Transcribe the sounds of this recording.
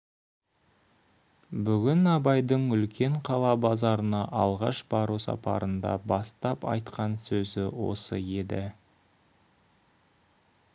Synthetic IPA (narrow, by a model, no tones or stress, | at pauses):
bʏɡʲɪnɑbɑjd̪əɴʏlkʲe̞ɴqʰɑlˠɑbɑzɑɾənɑʔɑlˠʁɑ̰ʃbɑɾusɑ̰pɑ̰ɾənd̪ɑ̰bɑst̪ɑpɑ̰jt̪qɑnsɵzɪwo̞̰sə̰e̞d̪ɪ